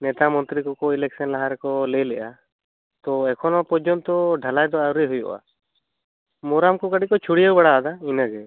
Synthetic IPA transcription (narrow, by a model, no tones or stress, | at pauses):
nɛt̪amɔnt̪ɾikɔkɔilɛksɔnlaɦaɾɛkɔlɛlɛʔa | t̪ɔɛkʰɔnɔpɔɾd͡ʒɔnt̪ɔɖʱalajd̪ɔawɾɛɦujɔ̰ʔa̰ | mɔɾamkɔkaɽikɔt͡ʃʰuɽijawbaɽaːd̪ainaɡɛ